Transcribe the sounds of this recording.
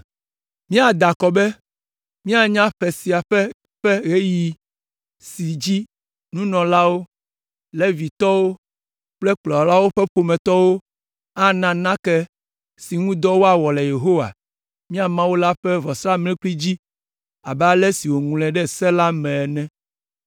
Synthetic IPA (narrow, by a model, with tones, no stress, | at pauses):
mĩ˦a˨d̪a˨kɔ˨bɛ˦ | mĩ˦a˨ɲã˦ɸɛ˨si˨a˨ɸɛ˦ | ɸɛ˦ɣe˦ji˨ | si˨d͡ʑi˦ | nũ˦nɔ̃˨la˦wo˦ | lɛ˦vi˨t̪ɔ˦wo˦ | k͡plɛ˦k͡plɔ˨la˦wo˦ɸɛ˦ɸo˨mɛ̃˨t̪ɔ˦wo˦ | a˦nã˨nã˦kɛ˦ | si˨ŋũ˦d̪ɔ˦wo˦a˨wɔ˨lɛ˨je˨ɦo˦wa̰˨ | mĩ˦a˨mã˦wo˦la˦ɸɛ˦vɔ˨sɾa˦mlɛ̃˦k͡pli˦d͡ʑi˦ | a̰˨bɛ˦a˦lɛ˦si˨wo˨ŋũ˨lɛ̃˨ɖɛ˦˨sɛ˦la˦mɛ̃˨ɛ˨nɛ̃˦